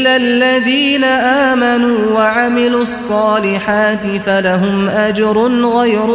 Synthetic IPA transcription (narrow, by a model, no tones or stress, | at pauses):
lalːaðiːnaʔaːmanuːwaʕamɪluːɑsˤːɑːlɪħaːt̪ɪfalaɦʊmʔad͡ʒɾˤʊnɣajɾʊ